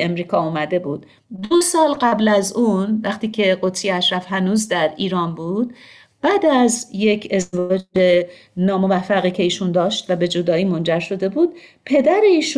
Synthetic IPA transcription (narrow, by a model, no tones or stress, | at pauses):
emɾiːkʰɒːuːmæd̪e̞buːd̪̥ | d̪osɒːlɢæblæzunvæχt̪iːcʰe̞ɢot̪ʰijeæʃɾæfɦænuːzd̪æɾiːɾɒːnbuːd̪̥̚ | b̥æːd̪æzje̞cʰe̞zvɒːd͡ʒe̞ | nɒːmo̞væfːæɣiːcʰe̞iːʃund̪ɒːʃt̪væbe̞d͡ʒo̞d̪ɒːiːmo̞nd͡ʒæɾʃo̞d̪e̞buːd̪̥̚pʰe̞d̪æɾeiːʃ